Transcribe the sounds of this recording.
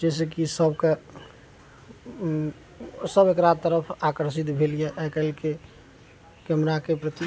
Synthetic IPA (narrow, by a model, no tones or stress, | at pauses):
d͡ʒɛs̬ekisəbke | səbekɾad̪̚t̪ːəɾəpʰakəɾsit̪bʱelijeʔɛkəlke | kemnakepɾət̪i